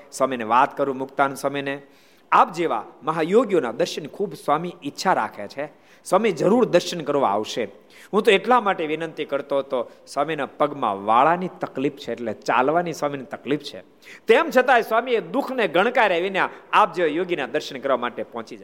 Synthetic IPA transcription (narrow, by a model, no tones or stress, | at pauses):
sʋaməijneʋat̪kəɾũmʊkt̪anũsəməjne | ap̚d͡ʒeʋa̰məɦajoɡjonad̪əɾʃənkʰubsʋamiɪtːʃʰaɾa̰kʰḛt͡ʃʰe | samid͡ʒəɾuɾd̪əɾʃənkəɾʋã̰a̰ʋʃe | ɦũt̪̬oeʈlamaʈeʋinənt̪ikəɾt̪ot̪osʋaminapəɡmã̰ʋaɭanit̪əklipʰt͡ʃʰeːʈlet͡ʃa̰lʋaniswaminit̪əklipʰt͡ʃʰḛ | t̪emt͡ʃʰət̪aesʋamied̪ukʰneɡʱəɽ̃kaɾɛʋinjaap̚d͡ʒeʋajoɡinad̪əɾʃənkəɾʋamaʈepɔɦt͡ʃid͡ʒa